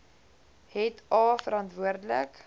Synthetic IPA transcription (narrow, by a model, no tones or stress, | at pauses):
ɦɛtʰɑːfəɾɐntvuərdlə̰k